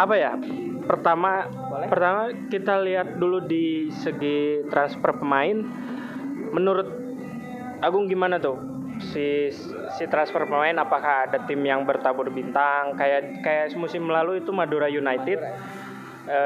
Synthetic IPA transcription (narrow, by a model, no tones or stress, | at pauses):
apajapərt̪ama | pərt̪amakit̪aliɦat̪̚duludisəɡit̪ɾanspɔrpəmaɪn | mənuɾʊt̪̚ | aɡʊŋɡimanat̪ʊ | si | sit̪ɾanspɔrpəmaɪnapakahːdat̪ɪmjaŋbərt̪abʊrbint̪aŋkajaʔ | kajaʔsmusɪmlaluit̪umaduɾajunait̪ɪ | ə